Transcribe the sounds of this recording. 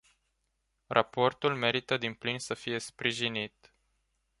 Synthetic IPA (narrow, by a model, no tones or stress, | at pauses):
rapo̞rt̪ulme̞ɾit̪əd̪implinsəfije̞spɾiʒinit̪